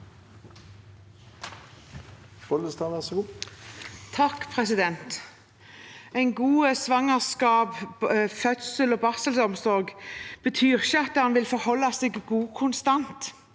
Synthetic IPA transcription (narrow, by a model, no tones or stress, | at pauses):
fɔləst̪ɑːʋæʁsɔɡuː | t̪ʰɑkpʰʁɛsɪd̪ɛnt̪ | æɪnɡuːəsʋɑŋɑʁskɑːbfœt̪səloːbɑsəlsɔmsɔʁɡb̥ət̪ʰyːʁɪçəɑt̪ːəhɑnʋɪlfɔʁhɔlːɑseɡɡuːkʰʊnst̪ɑnt̪